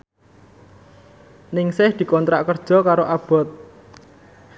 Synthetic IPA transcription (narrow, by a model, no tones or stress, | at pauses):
nɪŋsɪhd̪̥i̤kɔnt̪ɾaʔkərd̥ʒ̥ɔ̤kaɾoʔab̥ɔ̤t̪̚